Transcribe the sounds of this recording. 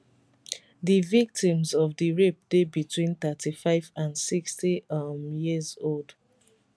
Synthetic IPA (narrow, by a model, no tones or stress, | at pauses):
ðivik̚tĩmzɔvðiɹep̚d̥ebitwĩnθətifaɪvãnsikstimjizold̥